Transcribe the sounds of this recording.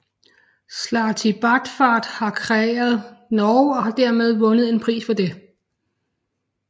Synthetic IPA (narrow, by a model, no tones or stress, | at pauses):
slɑ̈ːt͡sʰib̥ɑd̥fɑ̈ːd̥hɑ̈kʰʁɛḛːɐð̞ˠnɒʊɒ̽hɑ̈d̥æɐ̰með̞ˠʋɔ̽nəð̞̩ˠe̝npʰʁḭːsfɒ̽d̥e̝